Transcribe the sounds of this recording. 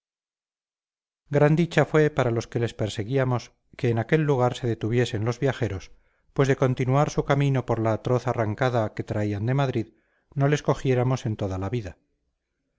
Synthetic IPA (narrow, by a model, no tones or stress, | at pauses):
ɡɾand̪it͡ʃafwe̞paɾalo̞ske̞le̞spe̞ɾse̞ɣiamo̞s | ke̞ːnake̞lːuɣ̞aɾse̞ðe̞t̪uβje̞se̞nlo̞zβjaxe̞ɾo̞s | pwe̞zðe̞ko̞nt̪inuaɾsukamino̞po̞ɾlaːt̪ɾo̞θaraŋkaðake̞t̪ɾaiand̪e̞maðɾið | no̞le̞sko̞xje̞ɾamo̞se̞nt̪o̞ðalaβiða